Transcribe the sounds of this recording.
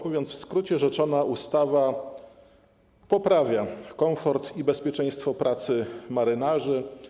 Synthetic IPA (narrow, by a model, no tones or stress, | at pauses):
muvʲjɔnfskɾut͡ɕɛʐɛt͡ʂɔnaʔust̪ava | pɔpɾavʲjakɔmfɔɾt̪ibɛspʲjɛt͡ʂɛj̃st̪fɔpɾʔat̪sɘmaɾɘnaʐɘ